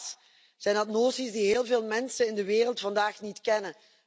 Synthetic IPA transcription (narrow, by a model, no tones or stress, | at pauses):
s | z̥ɛjnɑtnoːsisdiɦɪːlˠveːlˠmɛnsənɪndəʋeːrəlˠtfɑndaːxnitkɛnən